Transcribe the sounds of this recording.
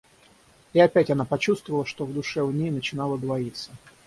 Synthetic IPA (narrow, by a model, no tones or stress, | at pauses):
iɐpʲætʲɐnapɐt͡ɕust̪vəvəlˠəʂt̪ovd̪ʊʂɛʊnʲejnət͡ɕɪnalˠəd̪vɐit̪sə